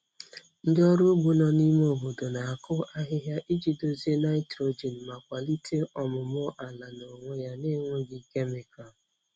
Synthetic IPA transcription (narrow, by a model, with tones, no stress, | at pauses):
n̩˦dɪ˦ɔ˦ɾu˦ɡ͡bu˦nɔ˦ni˦mo˦˨ɦu˨do˨na˨a˨kʊ˦ʔa˦ɦɪ˦ɦja˦ʔi˦d͡ʒi˨do˨zi˦e˦na˦ɪ˦tɾo˦d͡ʒi˨n̩˨ma˨kʷa˨li˦tʰe˦ʔɔ˨mʊ˨m˦ʊ˦ʔa˨la˨no˨ŋʷe˦ja˦nɪ˦ŋʷe˦ɡɪ˦ke˦mi˨kɔ˨l